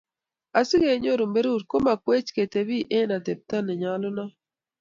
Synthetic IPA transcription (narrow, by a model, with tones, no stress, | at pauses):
a˨si˦ɡe˨˦ɲo˦˨ɾo˨mbe˦ɾu˦˨ɾko˦ma˨kwe˦t͡ʃke˨te˨βi˦ʔe˦na˨te˨p̚ta˦ne˨ɲa˦lo˦na˦